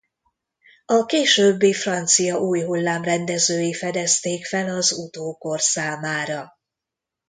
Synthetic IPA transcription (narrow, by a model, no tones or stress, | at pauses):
ɒkeːʃøːbːeːfrɒnt̪sijɒʔuːjɦulːaːmrɛnd̪ɛzøːjifɛd̪ɛst̪eːkfɛlɒzut̪oːkorsaːmaːɾɒ